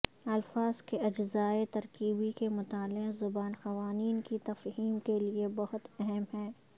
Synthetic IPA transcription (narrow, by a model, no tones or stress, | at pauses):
ɐlfaːz̥keɐd͡ʒzaːet̪ɐɾkiːbikemʊt̪aːlɪqzʊbaːnxɐʋaːniːnkit̪ɐfɦiːmkeliebɐɦʊt̪ɛɦɛmɦɛ̃ː